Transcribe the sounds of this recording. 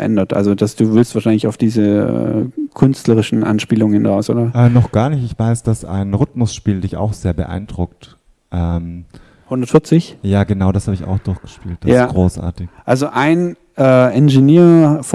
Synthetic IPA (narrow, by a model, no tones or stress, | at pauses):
ʔɛ̰ndɐtʔa̰lzod̥asd̥uːvɪlstv̥aːɐʃaɪnlɪçaʊfd̥iːzəɛ̰kʰʏnstləʁɪʃn̩ʔa̰nʃpiːlʊŋəhɪnʁaʊsʔo̰ːdɐʔɛːnɔχɡ̥aːɐnɪçtɪçv̥aɪsd̥asʔa̰ɪnʁʏtmʊsʃpiːldɪça̰ʊxz̥eːɐbə̰ʔa̰ɪnd̥ʁʊk̚t | ʔɛːm | hʊndɐtfɪɐt͡sɪçjaːɡənaʊɾashaːbəɪça̰ʊxd̥ʊɐçɡ̥ə̥ʃpiːlt̚d̥asaɡ̥ʁoːsʔa̰ːɐtɪçʔalzoʔaɪn | ʔɛːʔɛnʒeniːɐf